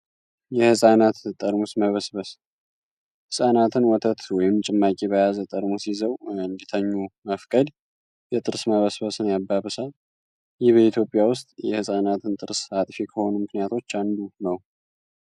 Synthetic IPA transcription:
jɛhɨsʼanat̪t̪ʼəɾmusməβəsbəs | hɨsʼanat̪ʰɨnwɔt̪ʰət̪wɔjɪmt͡ʃʼɪmːakʼeβəjazət̪ʼəɾmusjizəwɨnd̪it̪ʰəɲːuməfkʼəd̪ | jɛt̪ʼɨɾsməβəsbəsɨnjabːaβɨsal | jɪhβəit̪ʰjo̞pʼːjawʊst̪ʼjɛhɨsʼanat̪ʰɨnt̪ʼɨɾsat̪ʼfekʰəho̞numɨknijat̪ʰo̞t͡ʃːand̪unəw

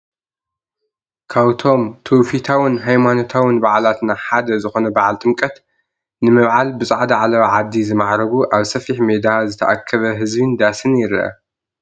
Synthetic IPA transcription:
kʰaβt̪ʰo̞mt̪ʰowfit̪ʰawɪnɦajmano̞t̪ʰawɪnbaʕlat̪naħad̪ɐzɨxo̞nɐbaʕalt̪ʼɨmkʼɐt̪ | nɨmɐβʕalbɨsʼaʕd̪ɐʕalɐβaʕad̪ːizɨmaʕɾɐβuʔaβsɐfiħmed̪azɨt̪ʰɐʔakʰːɐβɐɦɨzbɨnd̪asɨnjɪɾɐʔɐ̰

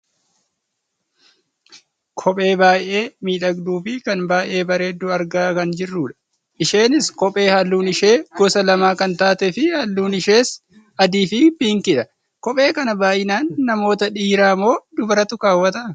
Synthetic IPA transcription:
kʰɔpʼe̞ːbaːjʔe̞ːmiːᶑɐɡd̪uːfɪkɐnbaːʔe̞ːbɐɾe̞ːd̪ːʊɐɾɡaːkɐnd͡ʒɪrːuːᶑɐ̥ | ʔɪʃe̞ːnɪskɔpʼe̞ːhɐlːuːnɪʃe̞ːɡ̥ɔsɐlɐmaːkɐnt̪aːt̪ɛfɪhɐlːuːnɪʃe̞ːs | ɐd̪iːfɪbiːŋkɪᶑɐ | kɔpʼe̞ːkɐnɐbaːʔɪnaːnːɐmo̞ːt̪ɐᶑiːɾaːmo̞ːd̪ʊbɐɾɐt̪ʊkaːwːɐt̪ɐ

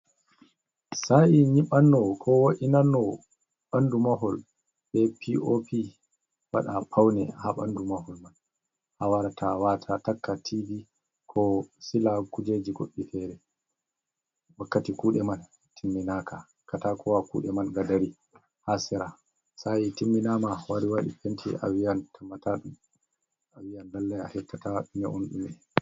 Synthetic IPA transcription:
saiɲiɓanːɔkʰɔwoʔinanːɔ | ɓandumaɦɔl | ɓɛpʰiopʰi | wa̰ɗapʰawnɛhaɓa̰ndumahɔlman | hawaɾatʰawatʰatakːatʰibi | kʰɔsilakud͡ʒed͡ʒiɡoɗːifɛɾɛ | wakːatikuːɗɛman | tʰimːinaːkʰa | katakɔwakṵɗɛmanɡadaɾi | hasɛɾa | sajitimːinamawaɾiwaɗḭpentʰḭʔa̰wiantʰamːataɗum | awijandalːaja̰hɛtːataɗumɛʔo̰nɗṵmɛ

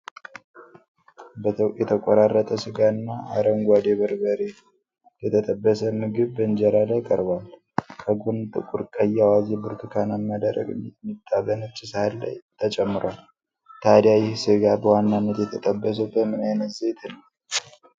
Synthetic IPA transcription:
bət̪jɛt̪ʰəkʷʼɔɾarːət̪ʼəsɨɡaɨnːaaɾəŋɡʷad̪eβəɾbəɾe | jɛt̪ʰət̪ʼəbːəsəmɨɡɨβbəɨnd͡ʒɛɾalajkʼəɾbal | kʰəɡunt̪ʼɨ̰kʼuɾkʼəjːawazebuɾt̪ʰɨkʰanamːad̪əɾə̰ɡʼmːit̪ʼːaβənɨt͡ʃʼːɪshalːa̰jt̪ʰət͡ʃʼɛmːɨɾwal | t̪ʰad̪jajɪhsɨɡabəwanːanːət̪jɛt̪ʰət̪ʼəbːəs̬əbəmɨnajnət̪zet̪ʰnəw

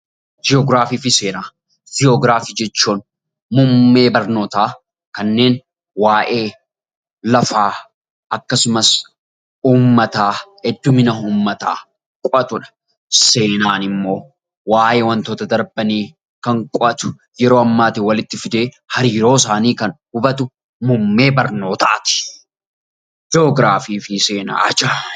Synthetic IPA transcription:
d͡ʒɪɔɡɾaːfiːfɪse̞ːnaː | d͡ʒɪɔɡɾaːfiːd͡ʒɛt͡ʃːuːn | mʊmːe̞ːbɐɾno̞ːt̪aː | kɐnːe̞ːn | waːʔe̞ː | lɐfaː | ʔɐkːɐsʊmɐs | uːmːɐt̪aː | ɛd̪ːʊmɪnɐɦuːmːɐt̪a̰ː | kʼʊʔɐt̪ʊᶑɐ̥ | se̞ːnaːnɪmːo̞ː | waːʔe̞ːwɐnt̪oːt̪ɐd̪ɐɾbɐniː | kɐŋkʼʊʔɐt̪ʊ̥ | jɛɾoːɐmːaːt̪ɪwɐlɪt̪ːɪfɪd̪e̞ː | hɐɾiːɾo̞ːsaːniːkɐnhʊbɐt̪ʊ | mʊmːe̞ːbɐɾno̞ːt̪a̰ːt̪ɪ̥ | d͡ʒoːɡɾaːfiːfɪse̞ːna̰ːʔɐd͡ʒa

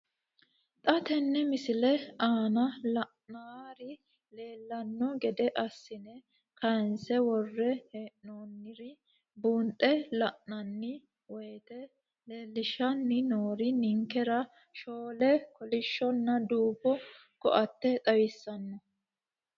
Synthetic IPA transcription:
t̪ʼɐt̪ɛnːɛmɪsɪlɛaːnɐlɐʔnaːɾɪ | le̞ːlːɐnːɔɡɛd̪ɛʔɐsːɪnɛ | kɐnsɛwɔrːɛheːʔnoːnːɪɾɪ | buːnt̪ʼːɛlɐʔnɐnːɪ | wɛjːt̪ɛ | leːlːɪʃɐnːɪnoːɾɪnɪŋkɛɾɐ | ʃoːlɛkɔlɪʃːɔnːɐd̪uːbːɔ | kɔ̰ʔɐt̪ːɛt̪ʼɐwɪsːɐnːɔ

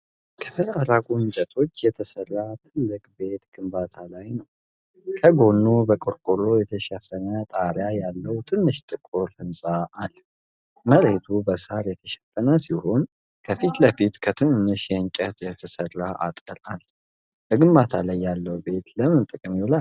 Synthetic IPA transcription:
kʰə̥t̪ʰəɾafɾaɡʼuɨnt͡ʃʼət̪ʰo̞t͡ʃːjɛt̪ʰəsərːat̪ʰɨlːɨkʼbe̞t̪ɡ̥ɨmbat̪ʰalajnəw | kʰəɡo̞nːubəkʼɨɾkʼuɾojɛt̪ʰəʃɛfːənət̪ʼaɾjajalːəwt̪ʰɨnːɨʃt̪ʼɨkʼːoɾhɨnsʼaːl | məɾe̞t̪ʰubəsaɾjɛt̪ʰəʃɛ̥fənəsiho̞n | kʰəfit̪ləfit̪kʰət̪ʰɨnɨɲːɨʃjɛɨŋt͡ʃʼət̪jɛt̪ʰəsərːaʔa̰t̪ʼəɾal | b̥əɡɨmbat̪ʰalajːalːəwbe̞t̪ləmɨnt̪ʼɨkʼɨmjulal

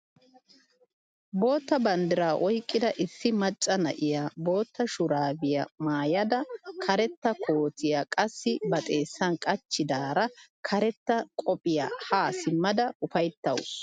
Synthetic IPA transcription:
bo̞ːt̪ːɐbɐnd̪ɪɾaːʔɔjkʼːɪd̪ɐʔɪsːɪmɐt͡ʃʼːɐnɐ̰ʔɪjabo̞ːt̪ːɐʃʊɾaːbɪja̰maːjɐd̪ɐkʰɐɾɛt̪ːɐkʰo̞ːt̪ɪjakʼɐsːɪbɐt̪ʼe̞ːsːɐnkʼɐt͡ʃːɪd̪aːɾɐkʰɐɾɛt̪ːɐkʼɔpʼɪja̰ːhaːsɪmːɐd̪ɐʊfɐjt̪ːɐ̰wʊs

